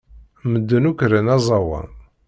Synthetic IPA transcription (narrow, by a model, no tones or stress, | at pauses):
məd̪ːənukɾənɑzˤɑwɑ̰n